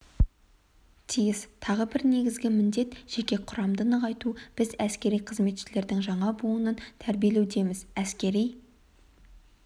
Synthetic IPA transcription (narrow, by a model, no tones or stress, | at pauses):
t̪ʰijɪst̪ʰɑʁəbɪɾne̞ɡʲɪzɡʲɪmɪnd̪e̞t̪ʒ̥e̞kʲe̞qʰʊɾɑmd̪ənəʁɑjt̪ub̥ɪzæskʲe̞ɾijqʰəzme̞t̪ʃɪle̞ɾd̪ɪŋʒɑɴɑbuənənt̪ʰæɾbije̞lewd̪e̞mɪzæskʲe̞ɾij